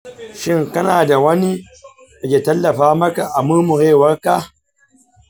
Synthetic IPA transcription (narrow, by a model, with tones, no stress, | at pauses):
ʃɪ˦ŋkɐ˦naː˨da˨wɐ˦ni˦ | ʔɐ˨kʲeː˨tɐ˦lːɐ˨ɸaː˦mɐ˦ka˨ʔa˨mʊ˦mʊ˨ɾeː˦˨wɐ˦rka˦˨